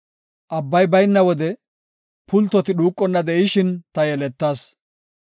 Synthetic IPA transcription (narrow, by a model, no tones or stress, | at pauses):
ʔɐbːɐjbɐjnːɐwɔd̪ɛ | pʊlt̪ːɔt̪ɪɗuːkʼːɔnːɐd̪ɛʔɪʃɪnt̪ɐjɛlɛt̪ːaːs